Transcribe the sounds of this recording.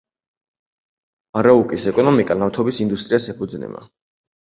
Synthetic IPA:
aɾaukʼisɛkʼɔnɔmikʼanamt̪ʰɔbisind̪ust̪ʼɾiasɛpʰud̪znɛ̰ma̰

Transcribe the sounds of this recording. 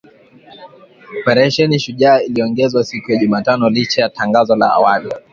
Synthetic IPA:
ɔpɛɾɛʃɛniʃuʄaːiliɔŋɡɛzwasikujaʄumaːtanɔlit͡ʃajataŋɡazɔla̰a̰wali

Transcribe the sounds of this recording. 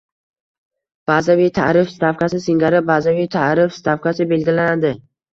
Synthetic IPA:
b̥azavijt̪ʰaɾɪfst̪afqʰasɪsɪŋɡʲaɾɪbazavijt̪ʰaɾɪfst̪ʰafkasɪbe̞lɡʲɪlanad̪ɪ

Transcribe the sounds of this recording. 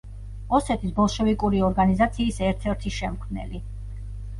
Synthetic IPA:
ɔsɛt̪ʰisbɔlˠʃɔvikʼuɾiɔɾɡanizat̪sʰiːsɛɾt̪ʰɛɾt̪ʰiʃɛmkʰnɛ̰li

